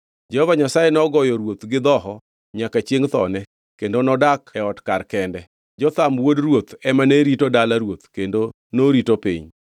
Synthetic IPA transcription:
d͡ʒɛhovaɲasajenɔɡɔjɔɾwot̪ɡɪd̪ɔɦɔ | ɲakat͡ʃjeŋt̪ɔ̰nɛ | kendonɔdakɛɔtkarkɛndɛ | d͡ʒɔt̪amwodrwot̪ɛmaneɾitodalaɾwot̪kendo | noɾitopḭɲ

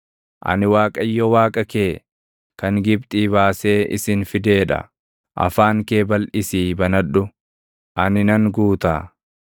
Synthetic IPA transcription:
ʔɐ̰nɪwaːkʼɐjːɔwaːkʼɐke̞ː | kɐŋɡɪb̚t̪ʼiːβaːse̞ːʔɪ̰sɪnfɪd̪e̞ːᶑɐ̰ | ʔɐ̰faːŋke̞ːbɐlʔɪsiːbɐnɐᶑʊ | ʔɐnɪnɐŋɡuːt̪aː

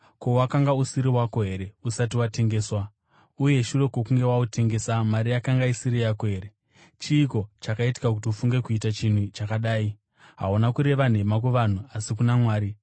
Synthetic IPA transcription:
ko̞wakaŋɡausiɾiwako̞ɦe̞ɾe̞usat̬iwate̞ŋɡe̞ːswa | uje̞ʃure̞kwokuŋɡe̞waute̞ŋɡe̞samaɾijakaŋɡaisiɾijakoɦe̞ːɾe | t͡ʃiːko̞t͡ʃakaiti̥kakutiufuŋɡe̞kuitat͡ʃin̤ut͡ʃakaɗaːi | ɦaunakuɾe̞ʋan̤e̞mak̬weʋan̤uasikunamwaːɾi

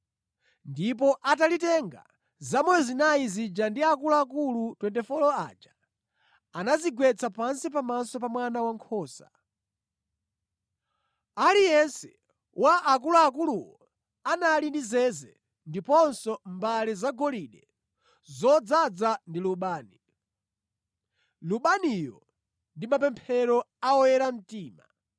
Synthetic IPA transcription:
ndip̬ɔʔatalitɛŋɡa̰ | zamɔjɔzinaizid͡ʒandiakulaak̬ulutwɛntɛfɔlɔa̰d͡ʒa | anaziɡwɛt͡sʰapansipamasɔpamwanawaŋkʰɔːsḁ̰ | alijɛnsɛ̥ | waʔak̬uluak̬uluwɔ | anaːlindizɛzɛ | ndipɔnsɔmbalizaɡɔliɗɛ | zɔd͡zad͡zandiluɓaːni | luɓanijɔ̰ | ndimapɛmpʰɛɾɔ | aɔjɛɾam̩tiːma̰

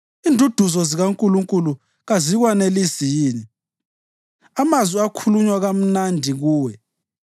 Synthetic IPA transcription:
indʱud̥ʱuzɔziɣaŋkʼuluŋkʼulu | ɣaziɣwanelisijiːni | amazwiakʰuluɲwaɣam̩nandʱiɣuːwɛ

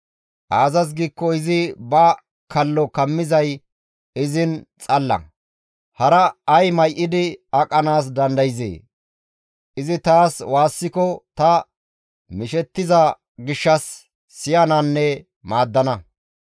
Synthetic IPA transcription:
ʔaːzɐs̬ɡiːkːɔɪzɪbɐ | kʰɐlːɔkɐmːɪzɐj | ɪzɪnt͡sʼɐlːɐ̰ | hɐɾɐɐjmɐjʔɪd̪ɪɐkʼːɐnaːs̬d̪ɐnd̪ɐjɪzḛː | ʔɪzɪt̪aːswaːsːɪkɔt̪ɐ | mɪʃɛt̪ːɪzɐ | ɡɪʃːɐsː | ɪjɐnanːɛ | maːd̪ːɐnɐ

